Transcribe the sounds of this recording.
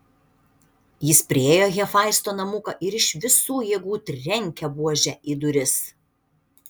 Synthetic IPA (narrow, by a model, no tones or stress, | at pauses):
jɪspʲɾʲɪeːjoːɣʲɛfɑˑɪst̪oːnɐmʊkɐʔɪɾɪʃʋʲɪsuːjeːɡuːt̪ʲɾʲɛŋʲkʲɛbuɔʒʲɛʔid̪ʊɾʲɪs